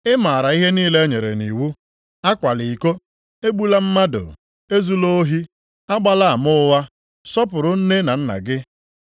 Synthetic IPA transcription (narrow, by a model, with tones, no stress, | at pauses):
ɪ˦ma˨ɾa˨i˦ɦe˦niː˦le˦ɲe˨ɾḛ˨ni˨wu˦ | a˦kʷa˨lɪ˨i˨ko˦ | e˦ɡ͡bu˦la˦m̩˦ma˦dʊ̰˨ | e˦zu˦lo˦o˦ɦi˦ | a˦ɡ͡ba˦la˦a˨mʊ˦wa˦ | sɔ˦p̬ʊ˨ɾʊ˨n̩˦ne˦na˨n̩˦na̰˨ɡɪ˦